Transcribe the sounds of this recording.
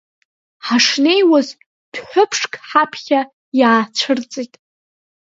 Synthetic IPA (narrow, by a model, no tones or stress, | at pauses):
ħaʂne̞jwaz | d̥ħʷᶣʊpʰʂkʰʼħapʰχʲa | jaːt͡ʃʷʰɨrt͡sʼitʼ